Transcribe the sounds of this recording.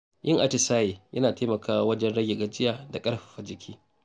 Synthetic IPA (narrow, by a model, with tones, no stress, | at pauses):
jʔɪ˦ŋʔa˨tɪ˨saː˦jeː˨jʔɐ˦naː˨teː˦mɐ˨kʰaː˦wwɐ˦d͡ʒɛ˦nɽɐ˦ɡʲe˨ɡɐ˦d͡ʒɪ˦jaː˨da˨kʼɐ˦ɽɸḁ˨ɸa˨d͡ʒɪ˨kʲʰiː˦